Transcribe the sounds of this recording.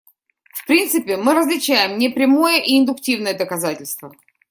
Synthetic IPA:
fpɾʲint̪sɨpʲɪmɨɾəzlʲɪt͡ɕæjɪmnʲɪpɾʲɪmojəʔiɪnd̪ʊktʲivnəjəd̪əkɐzatʲɪlʲst̪və

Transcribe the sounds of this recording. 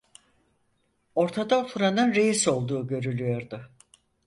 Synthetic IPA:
o̞ɾt̪ʰad̪aot̪ʰuɾanɯnɾe̞jiso̞lˠd̪uːɟø̞ɾylʲyjo̞ɾd̪ʊ

